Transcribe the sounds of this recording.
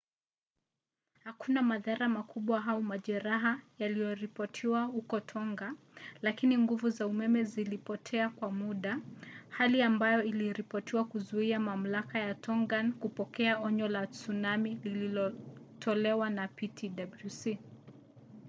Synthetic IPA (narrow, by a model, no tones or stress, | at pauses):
hakunamaðaɾamakuɓwaɦaumaʄɛɾaɦajalijɔɾipɔtʰiwahukɔtʰɔŋɡa | lakiniŋɡuvuzaumɛmɛzilipɔtʰɛakwamuɗahaliambajɔiliɾipɔtiwakuzuiamam̩lakajatʰɔŋɡankupɔkɛaɔɲɔlat͡sunamilililɔtʰɔlɛwanapitʰiɗablusi